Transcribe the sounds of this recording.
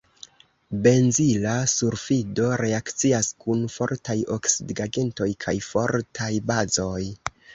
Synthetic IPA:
be̞nzilasuɾfido̞ɾe̞akt͡siaskunfo̞̰ɾtajo̞ksidɡaɡe̞nto̞jkʰajfo̞ɾtʰajbazo̞j

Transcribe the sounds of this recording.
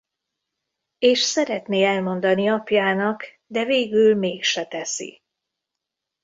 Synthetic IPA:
eːʃsɛɾɛt̪neːɛlmo̞nd̪ɒniɒpjaːnɒk | d̪ɛveːɡylmeːkʃɛt̪ɛsḭ

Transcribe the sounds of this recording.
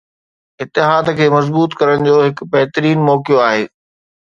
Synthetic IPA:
ɪt̪ːɪɦaːd̪kʰeːmɐzbuːt̪kɐɾəɽ̃̆d͡ʑoːɦɪkbɐɦt̪əɾiːnmɔːkijoaːɦeː

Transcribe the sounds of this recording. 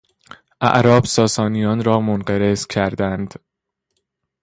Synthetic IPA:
ʔæ̰ʔɾɒːb̥sɒːsɒːnijɒːnɾɒːmonɢæɾez̥cʰæɾd̪ænd̪̥

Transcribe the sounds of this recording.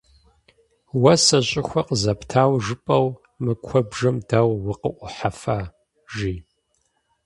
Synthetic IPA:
wɐsɐɕʼɪxʷɐqəzɐptʰaːwʒɨpʼɐw | mɨkʷʰɔbʒɐmdaːwwʊqəʔʷʊħafaː | ʒiː

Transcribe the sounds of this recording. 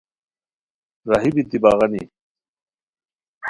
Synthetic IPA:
ɾaɦibit̪ibaɣɐnḭ

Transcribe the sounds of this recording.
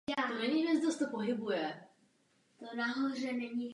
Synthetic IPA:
jaːt̪omɛniɛsd̪ost̪opoɦɪbujɛ | t̪onaɦorɛnɛɲi

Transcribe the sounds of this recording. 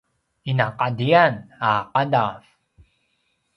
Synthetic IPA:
inaqadianaqadaf

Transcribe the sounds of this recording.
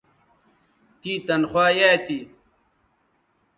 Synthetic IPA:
t̪it̪ɐnxwaːjaːt̪i

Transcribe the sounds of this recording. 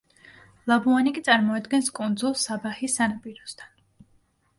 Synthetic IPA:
lˠabuanikʼit̪sʼaɾmɔad̪ɡɛnskʼund̪zulˠsabaχisːanapʼiɾɔst̪ʰan

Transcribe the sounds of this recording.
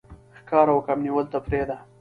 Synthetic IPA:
xkɑːɾawəkamniwəlt̪apɾed̪a

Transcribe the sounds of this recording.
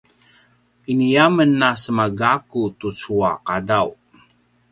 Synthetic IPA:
inijamənːasəmaɡakutut͡suaqadaw

